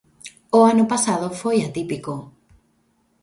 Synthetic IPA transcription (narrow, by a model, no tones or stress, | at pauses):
oanʊpasaðofojat̪ipiko